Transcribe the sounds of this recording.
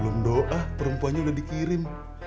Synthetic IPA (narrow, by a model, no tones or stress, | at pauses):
lundoʔapəɾəmpuanɲaudahdikiɾɪm